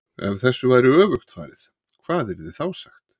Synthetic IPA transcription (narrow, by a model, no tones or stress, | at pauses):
ɛ̰nθɛsːʏvaːjɾɪœːvʏxt̪fa̰ːɾɪθ | kʰv̥aːðɛɾðɪθawsaxt̪